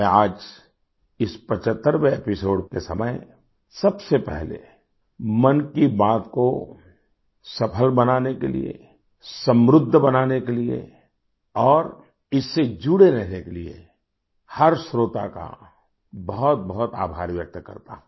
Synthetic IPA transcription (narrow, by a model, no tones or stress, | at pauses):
ɛ̃aːd͡ʒ | ɪspət͡ʃət̪ːəɾʋeeːpɪsoːɽkesɐ̰məj | sɐbsepɛ̰ɦlḛ | mɐnkibaːt̪ko | sɐpʰəlbɐnaːnekḛlḭḛ | sə̃mɾʊd̪ʱːbɐnaːnekeliḛ | ɔːɾ | ɪsːed͡ʒuɽeɾɛɦnekeliḛ | hɐɾsɾoːt̪a̰ka̰ | bɐɦt̪̚bɐɦɔt̪a̰ːbʱaːɾʋjək̚t̪kɐ̰ɾt̪a̰ɦũ